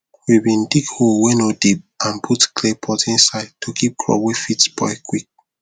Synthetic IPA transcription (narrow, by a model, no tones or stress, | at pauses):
wibĩndikholwɛnodip̚ãnpʰutkʰlepʰɔtĩnsaɪd̚tʰokʰip̚kʰlɔ̰wefitbɔ̰ɪkʰwik̚